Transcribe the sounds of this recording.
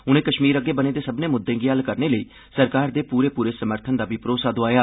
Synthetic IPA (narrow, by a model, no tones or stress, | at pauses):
ʊnẽːkəʃmiːɾəɡːeːbəneːd̪eːsəbneːmʊd̪ːẽːɡiːɦəlkəɾneːləiː | səɾkaːɾd̪eːpuːɾeːpuːɾeːsəməɾt̪ʰənd̪aːbipɾoːsaːd̪oaːjaː